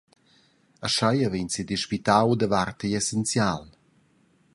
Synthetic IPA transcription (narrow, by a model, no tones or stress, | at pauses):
aʃajavensid̪iʃpit̪awd̪əvart̪əɛsɛnt͡sjaːl